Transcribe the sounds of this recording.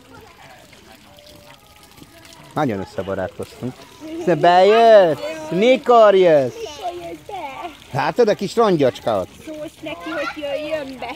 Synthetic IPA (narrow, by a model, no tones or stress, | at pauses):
nɒɟonøsːɛbɒɾa̰ːt̪ko̞st̪uŋksɛbɛjøt̪ːnikoɾjøs | haːt̪ɒd̪ɛkiʃrɒɲɟɒt͡ʃkaɒ̰t̪nɛkiojøjːømbɛ